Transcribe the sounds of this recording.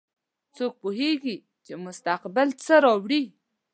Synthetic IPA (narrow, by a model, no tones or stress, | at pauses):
t͡sok̚poɦeɡi | t͡ʃemʊst̪aqbɪlt͡səɾɑwɽi